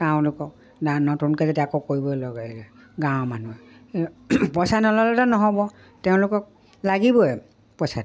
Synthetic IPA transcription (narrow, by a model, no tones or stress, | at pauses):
kãʊ̃lʊkɔk | nanɔtunkɔzetɛakokoɹibɔlɔɡailɛ | ɡãwmanuɛ | pɔsanɔlɔlɛtanɔɦɔbɔ | tɛʊ̃lʊkɔk̚ | laɡibɔɛ | pɔsa